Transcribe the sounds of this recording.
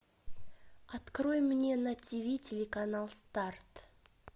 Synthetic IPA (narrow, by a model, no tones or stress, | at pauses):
at̪kɾojmːnʲe̞natʲivʲitʲelʲekanalˠst̪art̪